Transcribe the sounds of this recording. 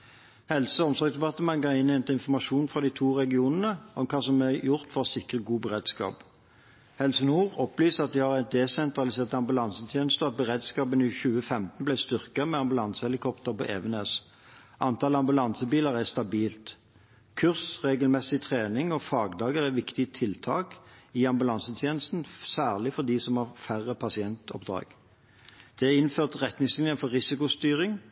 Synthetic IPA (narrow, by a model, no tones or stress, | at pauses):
hɛlsəɔmsɔksd̪ɛbpɑt̪əmɑŋɡɑɪnːɛnt̪əɪnfɔʁmɑʃuːnfʁɑd̪ɪt̪ʰuːʁɛɡɪuːnənəʔɔmkʰɑːsɔmɛjʊʁt̪fɔʁsɪkʁəɡuːbəʁeːd̪skɑ̰ːp | hɛlsənuːʁɔplyːsəɑt̪̚d̪ɪhɑʁɛt̪̚d̪ɛsɛnt̪ʁɑlɪseːʁt̪ɑmbʉlɑnsət̪ʰjeːnəst̪əɑt̪̚bəʁeːd̪skɑːpənɪçʉːəfɛmt̪n̩blæɪst̪ʏʁkəmɛɑmbʉlɑnsəɛlɪkʰɔpt̪əʁpɔ̰ʔɛːʋəneːs | ʔɑnt̪ʰɑːlɑmbʉlɑnsəbiːləʁæst̪ɑbiːlt̪ | kʰʉʁsʁeːɡəlmɛsːɪt̪ʰʁeːnɪŋɔfɑːɡd̪ɑːɡəʁɛʋɪkt̪ɪət̪ʰɪlt̪ʰɑːkɪɑmbʉlɑnsət̪ʰjeːnəst̪n̩sæːʁlɪfɔʁd̪ɪsɔmhɑʁfæʁəpʰɑsɪɛnt̪ɔpd̪ɾɑ̰ːɡ̥ | d̪̥ɛæɪnføːʁt̪ʁɛt̪nɪŋslɪnjəfɔɾːɪsɪkʊst̪yːʁɪŋ